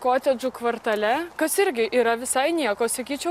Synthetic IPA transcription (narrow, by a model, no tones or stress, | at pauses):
koːt̪ʲɛd͡ʒukʋɐɾt̪ɐlʲɛkɐsɪɾʲɡʲɪʔiːɾɐʋʲɪsɐɪnʲiɛkoːsɐkʲiːt͡ʃʲɛʊ